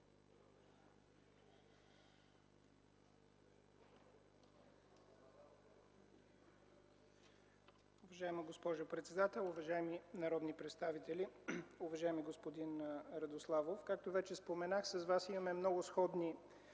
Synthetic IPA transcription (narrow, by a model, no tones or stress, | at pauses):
ʊvɐʒaɛməɡospɔʒʊpɾɛt̪sɛd̪at̪ɛlˠʊvɐʒaɛminɐɾɔd̪nipɾɛt̪st̪avit̪ɛlʲiʊvɐʒaɛmiɡospod̪inɾɐd̪oslˠavofkak̚t̪ovɛt͡ʃɛspomɛnaxsɐzvasimɐmɛmnɔɡʊsxɔd̪ni